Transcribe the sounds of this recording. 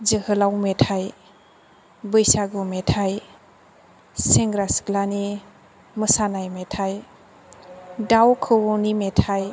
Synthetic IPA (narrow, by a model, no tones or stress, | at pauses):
d͡ʒəhɯlawmetʰaj | bɯjsaɡumetʰaj | seŋɡɾasɡlani | məsanajmetʰaj | dawkʰɯwɔnimetʰaj